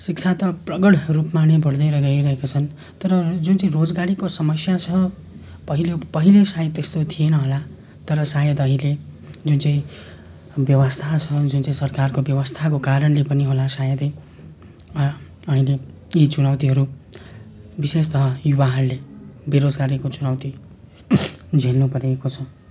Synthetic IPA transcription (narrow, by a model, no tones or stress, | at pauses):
sik̚t͡sʰat̪ʌprʌɡʌɽrupmanebʱʌɽd̪ʌjɾʌɡʌiɾʌɦekat͡sʰʌn | t̪ʌɾʌd͡zunt͡saĩrod͡zɡaɾikosʌmʌsjat͡sʰʌ | pʌɦilepʌɦilesajʌd̪t̪ːest̪ot̪ʰijenʌɦola | t̪ʌɾʌsajʌd̪ʌɦĩle | d͡zunt͡sʌĩ | bjʌwʌst̪ʰat͡sʰʌd͡zunt͡saĩsʌrkarkobjʌwʌst̪ʰakokaɾʌnlepʌniɦolasajʌd̪ʌi | ʌɦĩleit͡sunawt̪iɦʌɾu | bisest̪ʌɦʌjubaɦʌrlebeɾod͡zɡaɾikot͡sunawt̪i | d͡zʱelnupʌɾekot͡sʰʌ